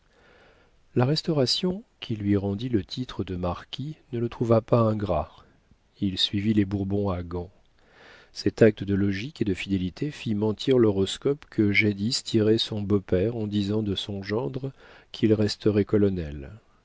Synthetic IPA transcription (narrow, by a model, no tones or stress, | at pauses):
laʁɛst̪ɔʁasjɔ̃kʰʲilɥiʁɑ̃d̪ilət̪ʰit̪χəd̪əmaʁkʲʰinələt̪χuvapaɛ̃ɡʁa | ilsɥivilebuʁbɔ̃aɡɑ̃ | sɛt̪ak̚t̪əd̪əlɔʒiked̪əfid̪elit̪ʰefimɑ̃t̪ʰiʁlɔʁɔskɔpkʰəʒed̪ist̪ʰiʁɛsɔ̃bopɛʁɑ̃d̪izɑ̃d̪əsɔ̃ʒɑ̃d̪ʁ | kʰilʁɛst̪əʁɛkɔlɔnɛl